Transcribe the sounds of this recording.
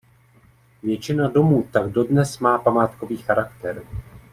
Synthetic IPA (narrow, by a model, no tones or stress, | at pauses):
vjɛt͡ʃɪnado̞muːt̪aɡ̚do̞dnɛsmaːpamaːt̪ko̞viːxaɾakt̪ɛɾ